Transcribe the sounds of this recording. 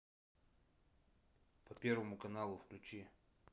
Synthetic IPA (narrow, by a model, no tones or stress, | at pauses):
pɐpʲe̞ɾvəmʊkɐnalˠʊfklʲʉt͡ɕi